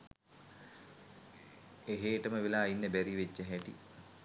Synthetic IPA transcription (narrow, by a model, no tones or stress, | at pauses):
eɦeːʈəməʋelaːjinːəbæɾiʋed͡ʒːəɦɛʈḭ